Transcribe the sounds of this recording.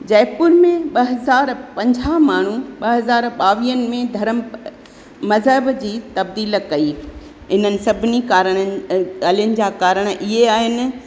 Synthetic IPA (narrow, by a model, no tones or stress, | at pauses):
d͡ʑɛːpʊɾmẽɓɐɦɐzaːɾpɐ̃ɲd͡ʑʱamaːɳ̤uɓɐɦɐzaːɾɓaːʋiːənɪ̆mẽd̪ʱɐɾəm | mɐzɦəbd͡ʑiːt̪ɐbd̪iːlkɐiː | ɦɪn̤ənɪ̆sɐbʱɪnikaːɾəɽ̃əɐlənɪ̆d͡ʑaːkaːɾəɽ̃ʔɪɦeaːɦɪnɪ̆